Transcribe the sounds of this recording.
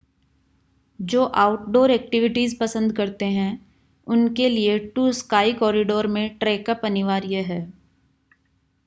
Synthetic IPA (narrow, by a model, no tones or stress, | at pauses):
d͡ʒoːʔaːʊʈɖoːɾɛːk̚ʈɪʋɪʈizpɐsə̃nd̪kɐɾt̪eɦɛ̃ | ʊnkelieʈuːskaːikɔːɾɪɖoːɾmẽʈɾeːkəpɐnɪʋaːɾjeɦɛː